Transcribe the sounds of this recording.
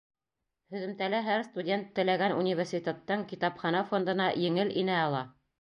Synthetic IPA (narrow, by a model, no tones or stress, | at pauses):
hɵ̆ðɘ̆mt̪ælæɦæɾst̪udʲe̞nt̪ːɘ̆læɡænṵnʲivʲerʲsʲitʲet̪ːɤɴkit̪ɑpχɑnɑfo̞nd̪ɤ̆nɑjɘ̆ŋɘlinæɑlˠɑ